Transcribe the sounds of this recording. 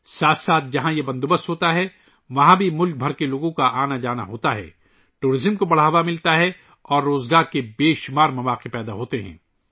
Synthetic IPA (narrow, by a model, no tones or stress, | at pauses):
saːt̪ʰsaːt̪̚ʰd͡ʒɐɦãjebɐ̃nd̪obəst̪ɦoːt̪aɦɛ | ʋɐɦãbʱimʊlk̚bʱɐɾkeloːɡõkaʔaːnad͡ʒaːna̰ɦoːt̪aɦɛ̰ː | ʈuːɾɪzəmkobɐɽ̤aɦɐʋamɪlt̪aɦɛ | ɔːɾːoːzɡaːɾkebeːʃmaːɾmɐʋaːqipɛːd̪aɦoːt̪eɦɛ̰̃ː